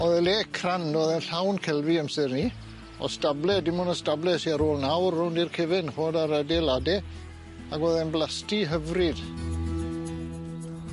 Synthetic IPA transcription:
ɔðɛleːkʰrandoːðɛnɬawnkʰɛlviəmsɨrni | ɔ̰stablɛdɪmʊnɔstablɛsiaɾoːlˠnawrhʊndirkʰevɪnhoːdaɾədɛladɛ | aɡɔðɛnblˠastiɦəvrɪd̥

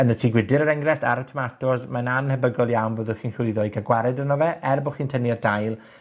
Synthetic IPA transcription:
ənətʰiːɡwɪdɪɾəɾɛŋɡrɛsta̰ɾɔtʰɔmatʰɔrðmananhɛbəɡɔlˠjawnvəːðʊχiːnɬʊɨðɔiɡaɡwaɾɛdənɔvɛʔɛrbɔχiːntʰəniɔrdajlˠ

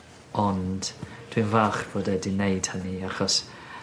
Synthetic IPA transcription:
ɔnd̥d̥winvaːχb̥oːdɛdinejd̥həniaχɔs

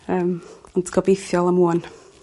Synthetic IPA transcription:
əːmɔntʰɡɔbɪθjɔlˠəmuɔn

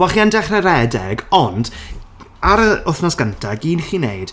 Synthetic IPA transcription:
waχiandɛχrɛɾɛdɛɡɔnd | aɾəʊθnɔsɡ̥əntʰaɡiːnχinejd̥

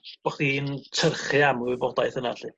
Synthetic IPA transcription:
b̥ɔχdiintʰərχɨamʊbɔdajθəna̰ɬi

